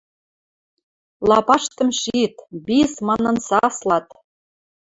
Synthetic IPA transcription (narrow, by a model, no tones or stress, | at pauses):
lˠɑpɑʃt̪ɤ̆mʃit̪bismɑnɤ̆nsɑslˠɑt̪